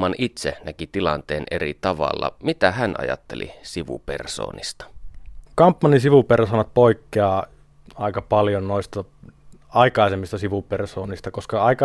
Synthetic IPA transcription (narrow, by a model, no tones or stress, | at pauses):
ɑnʔit̪senækit̪ilɑnt̪eːnʔerit̪ɑʋɑlːɑ̰mit̪æhænʔɑ̰jɑ̰t̪ːelḭsiʋṵperso̰ːnist̪ɑ̥kɑmpːɑnisiʋupersoːnɑt̪̚poˑikːeɑː | ɑˑikɑpɑljonnoˑist̪ɑ | ɑikɑˑisemːist̪ɑsiʋupersoːnist̪ɑkoskɑɑˑikɑ